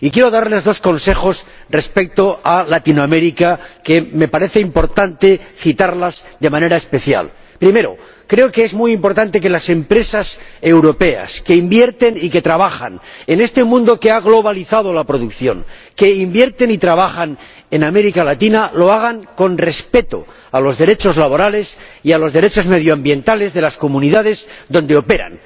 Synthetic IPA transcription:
ikje̞ɾo̞ðaɾle̞zðo̞sko̞nse̞xo̞sre̞spe̞k̚t̪oalat̪inoame̞ɾikake̞me̞paɾe̞θe̞impo̞ɾt̪ant̪e̞θit̪aɾlazd̪e̞mãne̞ɾaespe̞θja̰l | pɾime̞ɾo̞̰ | kɾe̞okeezmujimpo̞ɾt̪ant̪e̞ke̞lase̞mpɾe̞sase̞wɾo̞pe̞a̰ske̞imbje̞ɾt̪e̞nike̞t̪ɾaβaχa̰ne̞ne̞st̪e̞mũnd̪o̞keaɣlo̞β̞aliθað̞o̞lapɾo̞ðukθjo̞̰ŋke̞imbje̞ɾt̪e̞nit̪ɾaβaxan | ename̞ɾikalat̪inalo̞aɣ̞aŋko̞nre̞spe̞t̪o̰ | alo̞zðe̞ɾe̞t͡ʃo̞zlaβo̞ɾale̞sialo̞zðe̞ɾe̞t͡ʃo̞zme̞ðjoambje̞nt̪ale̞zðe̞lasko̞mũniðaðe̞zd̪o̞nd̪e̞o̞pe̞ɾa̰n

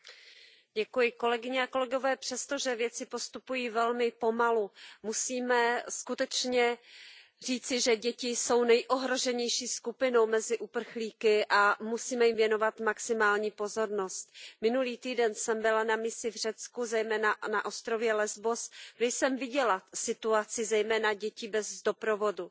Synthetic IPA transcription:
ɟɛkujɪko̞lɛɡɪɲɛako̞lɛɡo̞vɛːpr̥ɛst̪o̞ʒɛvjɛt͡sɪpo̞st̪upujiːvɛlmɪpo̞malumusiːmɛskut̪ɛt͡ʃɲɛ | r̝iːt͡sɪʒɛɟɛcɪso̞wnɛjʔo̞ɦɾo̞ʒɛɲɛjʃiːskupɪno̞wmɛzɪʔupr̩xliːkɪʔamusiːmɛjɪmvjɛno̞vat̪maksɪmaːlɲiːpo̞zo̞ɾno̞st̪mɪnuliːt̪iːdɛnsɛmbɪlanamɪsɪvr̝ɛt͡skuzɛjmɛːnanaʔost̪ɾo̞vjɛlɛzbo̞sɡdɛjsɛmvɪɟɛlasɪt̪uat͡sɪzɛjmɛːnaɟɛcɪbɛzdo̞pɾovo̞du

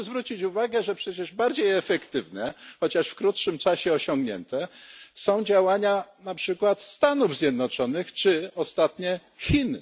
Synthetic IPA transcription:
zvɾut͡ɕit͡ɕuvaɡɛʐɛpʂɛt͡ɕɛʐbaɾd͡ʑejɛfɛkt̪ɘvnɛxɔt͡ɕaʂfkɾut̪ʂɘmt͡ʂaɕɛɔɕɔ̃ŋɡɲɛ̰nt̪ɛsɔ̃w̃d͡ʑawaɲanapʂɘkwat̪st̪anuvzʲjɛd̪nɔt͡ʂɔnɘxt͡ʂɘɔst̪at̪ɲɛ | xʲin

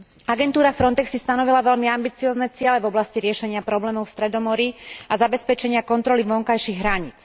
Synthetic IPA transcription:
aɡɛnt̪uːɾafɾɔnt̪ɛksist̪anɔʋilaʋɛlmiambit͡siɔːznɛt͡sɪɛlɛvɔblasciɾɪɛʃɛɲɪapɾɔblɛːmɔʊfst̪ɾɛd̪ɔmɔɾiazabɛspɛt͡ʃɛɲɪakɔnt̪ɾɔliʋɔŋkajʃiɣɦɾaɲḭt͡s

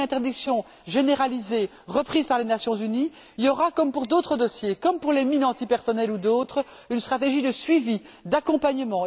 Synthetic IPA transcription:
ɛ̃t̪ɛʁd̪iksjɔ̃ | ʒeneʁalize | ʁəpχiːzpaʁlenasjɔ̃zyni | ljɔʁakɔmpuʁd̪ot̪χəd̪ɔsjekɔmpuʁleminɑ̃t̪ipɛʁsɔnɛlud̪ot̪χə | ynst̪χat̪eʒid̪əsɥivi | d̪akɔ̃paɲəmɑ̃

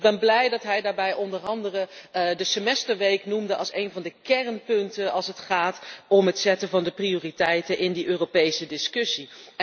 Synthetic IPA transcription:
ɡ̚bɛnblɛjdɑtɦɛjdaːɹbɛjɔndərɑndərədəsəmɛstəɹʋejknumdəʔɑlˠsejnvɑndəkɛrnpɵntənɑlˠsətχaːtɔmɦətsɛtəvɑndəprioːritɛjtənʔɪndiʔøːropejsədɪskɵsi

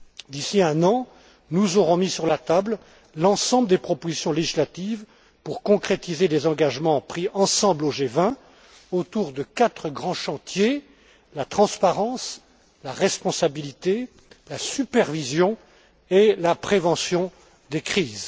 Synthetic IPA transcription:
d̪isiɛ̃nɑ̃ | nuzɔʁɔ̃misyʁlat̪abl | lɑ̃sɑ̃bləd̪epχɔpozisjɔ̃leʒislat̪iv | puʁkɔ̃kχet̪izelezɑ̃ɡaʒmɑ̃pχiɑ̃sɑ̃bloʒevɛ̃ | ot̪uʁd̪əkat̪χəɡʁɑ̃ʃɑ̃t̪je | lat̪χɑ̃spaʁɑ̃s | laʁɛspɔ̃sabilit̪e | lasypɛʁvizjɔ̃ | elapχevɑ̃sjɔ̃ | d̪ekχiːz

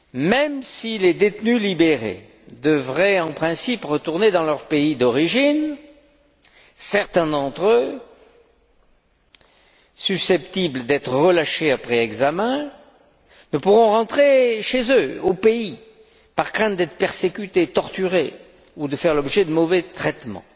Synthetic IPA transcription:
mɛmsiled̪et̪nylibeʁḛ | d̪əvʁɛɑ̃pχɛ̃sipʁət̪uʁned̪ɑ̃lœʁpeid̪ɔʁiʒin | sɛʁt̪ɛ̃d̪ɑ̃t̪χø | sysɛpt̪ibld̪ɛt̪χəʁəlaʃeapχɛɛɡzamɛ̃ | nəpuʁɔ̃ʁɑ̃t̪χeʃezøopei | paʁkχɛ̃t̪̚d̪ɛt̪χə̥pɛʁsekʲyt̪et̪ɔʁt̪yʁe | ud̪əfɛʁlɔbʒɛd̪əmɔvɛt̪χɛt̪mɑ̰̃

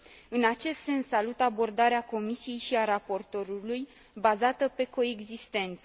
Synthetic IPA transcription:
ɨnat͡ʃe̞st̪se̞nsːalut̪abo̞rd̪aɾeako̞misije̞jʃiaɾapo̞rt̪o̞ɾuluj | bazat̪əpe̞ko̞e̞ɡzist̪e̞nt̪sə

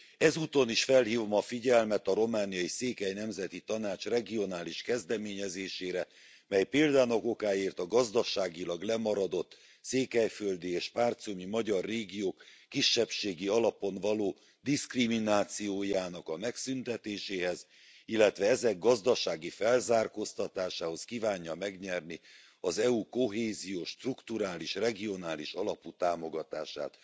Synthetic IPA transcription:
ɛzuːt̪o̞niʃfɛlɦiːvomɒfiɟɛlmɛt̪ɒɾo̞maːnijɒiseːkɛjnɛmzɛt̪it̪ɒnaːt͡ʃrɛɡio̞naːliʃkɛzd̪ɛmeːɲɛzeːʃeːɾɛ | mɛjpeːld̪aːnoko̞kaːeːrt̪ɒɡɒzd̪ɒʃaːɡilɒɡlɛmɒɾɒd̪o̞t̪ː | seːkɛjføld̪ieːʃpaːrt̪somimɒɟɒrːeːɡijoːkːiʃːɛpʃeːɡiɒlɒpo̞nvɒloː | d̪iskriminaːt̪sijoːjaːnɒkɒmɛksynt̪ɛt̪eːʃeːɦɛz | ilːɛt̪ʋɛɛzɛɡːɒzd̪ɒʃaːɡifɛlzaːrko̞st̪ɒt̪aːʃaːho̞skivaːɲːɒmɛɡɲɛrni | ɒzɛuko̞ɦeːzijoːʃt̪rukt̪uɾaːliʃrɛɡio̞naːliʃɒlɒput̪aːmo̞ɡɒt̪aːʃa̰ːt̪

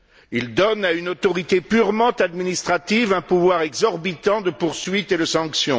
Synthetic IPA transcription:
ild̪ɔnaynot̪ɔʁit̪epyʁmɑ̃t̪ad̪minist̪χat̪ivɛ̃puvwaʁɛɡzɔʁbit̪ɑ̃d̪əpuʁsɥit̪ed̪əsɑ̃ksjɔ̃

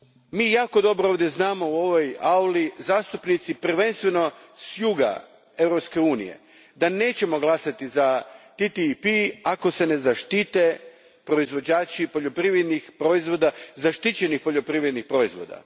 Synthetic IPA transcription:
miːjaːko̞d̪o̞bɾooʋd̪jeznaːmo̞uo̞ʋo̞jaulizaːst̪upnit̪sipɾr̩ʋe̞nst̪ʋe̞no̞sjuɡa̰ | e̞ʋɾo̞pske̞uːnḭje̞̰ | d̪ane̞ːt͡ɕe̞mo̞ɡlˠasat̪izat̪it̪ipiako̞se̞ne̞zaʃt̪it̪e | pɾo̞izʋo̞d͡ʑaːt͡ɕipo̞ʎo̞pɾiʋɾed̪nixpɾoizʋo̞d̪azaʃt̪it͡ɕe̞nixpo̞ʎo̞pɾiʋɾed̪nixpɾo̞izʋo̞̰ːd̪a̰

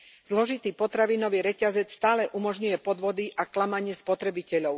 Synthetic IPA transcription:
z̥lɔʒit̪iːpɔt̪ɾaʋiːnɔʋiːɾɛcazɛt͡sst̪aːlɛʔumɔʒɲujɛpɔd̪ʋɔd̪iʔaklamaɲɪɛspɔt̪ɾɛbicɛʎɔʊ

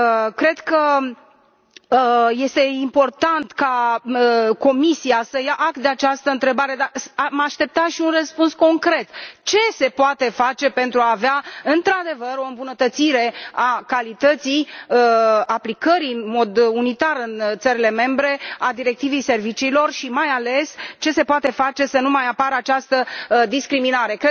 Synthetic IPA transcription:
kɾe̞d̪kə | je̞st̪e̞impo̞rt̪ant̪kaəko̞misiasəjaʔakt̪̚d̪eat͡ʃast̪əɨnt̪ɾe̞baɾe̞d̪asamaʃt̪e̞p̚t̪aʃiunrəspunsko̞ŋkɾe̞t̪t͡ʃe̞se̞poat̪e̞fat͡ʃe̞pe̞nt̪ɾuaːveaɨnt̪ɾad̪e̞vəɾo̞ɨmbunət̪ət̪siɾe̞akalit̪ət̪sij | aplikəɾijɨnmo̞d̪unit̪aɾɨnt̪səɾile̞me̞mbɾe̞ad̪iɾe̞k̚t̪ivejse̞rvit͡ʃiːlo̞rʃimajale̞st͡ʃe̞se̞poat̪e̞fat͡ʃe̞sənumajapaɾəat͡ʃast̪əd̪iskɾiminaɾe̞k

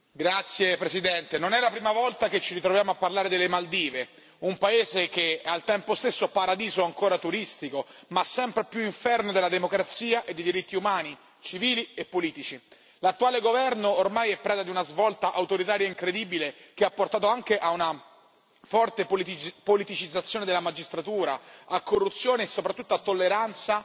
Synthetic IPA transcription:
ɡɾat̪sːjepɾesid̪ɛnt̪enonɛlapɾiːmavɔlt̪ak̟et͡ʃːiɾit̪ɾovjaːmoapːarlaːɾed̪elːemald̪iːve | umpaeːzek̟ealt̪ɛmpost̪esːoapaɾad̪iːzoaŋkoːɾat̪uɾist̪ikomasːɛmpɾepjuiɱfɛrnod̪elːad̪emokɾat̪siːaʔed̪ːejd̪iɾit̪ːiumaːni | t͡ʃiviːliepːoliːt̪it͡ʃi | lat̪ːuaːleɡovɛrnoːrmajɛpːɾɛːd̪ad̪iunazvɔlt̪aʔawt̪oɾit̪aːɾjaiŋkɾed̪iːbilekeapːort̪aːt̪oaŋkeʔauna | fɔrt̪epolit̪it͡ʃid̪zːat̪sːjoːned̪elamad͡ʒist̪ɾat̪uːɾaakːorːut̪sːjoːneːsːopɾat̪ːut̪ːoat̪ːolːeɾant̪sa

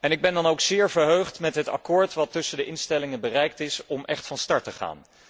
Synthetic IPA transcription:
ɛnɪɡ̚bɛndɑnowksɪːɹvəɹɦøɥχtmɛtɦətɑ̰kʊːɹtʋɑtːɵsəndəʔɪnstɛlɪŋənbərɛjk̚tɪsɔmʔɛχtfɑnstɑɹtəχa̰ːn

